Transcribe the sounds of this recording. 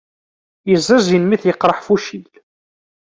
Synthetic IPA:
jəzˤːæzinmiθjəqːɾˤəħfuʃil

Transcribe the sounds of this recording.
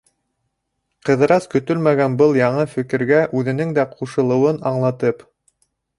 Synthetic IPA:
qɤ̆ðɤ̆ɾɑskɵ̆t̪ɵlmæɡænbɤlˠjɑɴɤfɘ̆kɘ̆ɾɡæʔʉðɘ̆nɘŋd̪æqʰuʃɤ̆lˠɤ̆wɤnɑɴlˠɑt̪ɤp

